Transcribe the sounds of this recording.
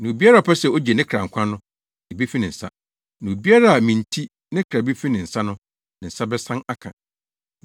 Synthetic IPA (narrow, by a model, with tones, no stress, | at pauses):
nɪ̃˨u˨bi˦a˦ɾa˦˨ɔ˨pʰɛ˦sɛ˨o˦d͡ʑɛ˨nɪ̃˦kʰɾa˨ŋ̩˨kʷʰã˦nʊ̃˦ | e˨be˦fi˦nɪ̃˨n̩˨sa̰˦ | nɪ̃˨u˨bi˦a˦ɾa˦a˨mĩ˨n̩˨tʰi˦ | nɪ̃˦kʰɾa˨be˦fi˦nɪ̃˨n̩˨sa˦nʊ̃˦ | nɪ̃˨n̩˨sa˦bɛ˦sã˦na˦kʰã̰˨